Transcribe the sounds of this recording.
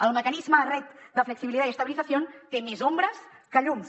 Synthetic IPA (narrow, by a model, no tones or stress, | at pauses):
əlˠməkənizmərɛt̪̚d̪əfləksiβilit̪aiəst̪əβilizəsiont̪emezombɾəskəʎum